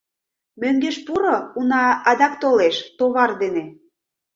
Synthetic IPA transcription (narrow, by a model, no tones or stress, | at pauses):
møŋɡeʃpuɾounɑɑd̪ɑkt̪oleʃt̪oβɑrd̪ene